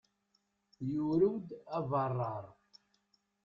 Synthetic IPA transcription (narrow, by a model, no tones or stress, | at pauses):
juɾəwd̪ævɑrˤːɑɾˤ